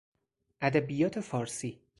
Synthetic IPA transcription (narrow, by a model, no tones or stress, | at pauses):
ʔæd̪æbijɒːt̪ʰe̞fɒːɾsiː